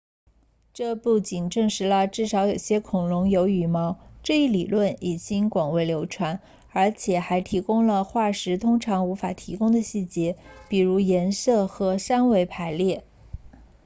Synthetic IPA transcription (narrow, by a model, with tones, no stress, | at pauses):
ʈ͡ʂɤ˥˧pu˥˩t͡ɕi˨˩nʈ͡ʂɤ˥˩ŋʂɻ̩˧˥lə˧ʈ͡ʂɻ̩˥˩ʂɑ˧˥ʊjo˨˩ʊɕjɛ˥kʰʊ˨˩ŋlʊ˧˥ŋjo˧˥ʊy˨˩mɑ˧˥ʊʈ͡ʂɤ˥˧i˥˩li˨˩lwə˥˩ni˨˩t͡ɕi˥nkwɑ˨˩ŋwe˧˥ɪljo˧˥ʊʈ͡ʂʰwa˧˥n | ə˞˧˥t͡ɕʰjɛ˨˩xa˧˥ɪt̪ʰi˧˥kʊ˥ŋlə˨xwa˥˩ʂɻ̩˧˥t̪ʰʊ˥ŋʈ͡ʂʰɑ˧˥ŋu˧˥fa˨˩t̪ʰi˧˥kʊ˥ŋd̪ə˨ɕi˥˩t͡ɕjɛ˧˥pi˨˩ɻu˧˥jɛ˧˥nsɤ˥˩xɤ˧˥ʂa˥nwe˧˥ɪpʰa˧˥ɪljɛ˥˩